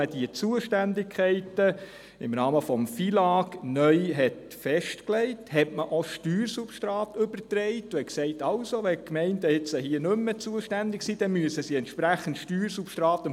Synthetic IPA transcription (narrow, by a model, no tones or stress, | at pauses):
əd̥iət͡suəʃtændɪkʰχɛɪtə | ɪmɾɑːməfɔmfilɑːɡnœʏɦɛt | fɛʃtklɛɪthɛtməʔoʃtyːɾsupʃtɾɑːtʏbəɾtɾɛɪtːʊɛksɛɪtɑlsoʋɛkmɛɪndəɪt͡sahiənʏmːət͡suəʃtændɪksiːd̥ɛnmyəsəsiɛntʃpɾæχəntʃtyːɾsupʃtɾɑːt̪ə